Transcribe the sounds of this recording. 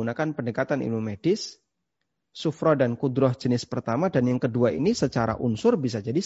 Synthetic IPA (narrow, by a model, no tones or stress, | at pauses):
unakanpəndəkat̪anḭlumedɪsː | ufɾɔdankudɾɔhd͡ʒənɪspərt̪amadanjaŋkəduaʔḭnisət͡ʃaɾa̰ʔunsʊrbis̬ad͡ʒadi